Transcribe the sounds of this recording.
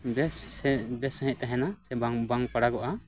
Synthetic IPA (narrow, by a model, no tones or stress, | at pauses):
bɛsbɛsəɦĩʔ̚ˀt̪ɛɦɛnasɛbaŋbaŋpaɽaɡɔʔa